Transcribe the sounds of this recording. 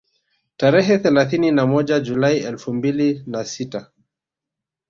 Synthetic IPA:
taɾɛɦɛθɛlaθininamɔʄad͡ʒulaiɛlfumbilinasita

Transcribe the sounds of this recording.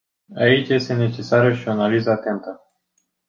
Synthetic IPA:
ait͡ʃjest̪e̞ne̞t͡ʃe̞saɾəʃio̞analizəat̪e̞nt̪ə

